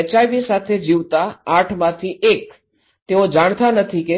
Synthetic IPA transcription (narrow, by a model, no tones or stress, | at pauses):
ət͡ʃaʋisat̪ʰed͡ʒiʋt̪aaʈʰmãt̪ʰiʔek̚ | t̪eod͡ʒaɽ̃t̪anət̪ʰike